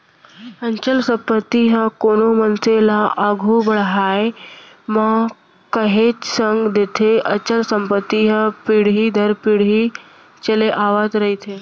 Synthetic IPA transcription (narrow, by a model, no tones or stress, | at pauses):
əɲt͡ʃəlsə̃pət̪ːiɦə̃koːnomənselaʔaːɡʱubəɽɦaːe | mã | kəɦeːt͡ʃsəŋɡd̪et̪ʰeʔət͡ʃəlsə̃mpət̪ːiɦə̃piɽɦid̪ʱəɾpiɽɦi | t͡ʃəleʔaːʋat̪ɾɐɦit̪ʰeː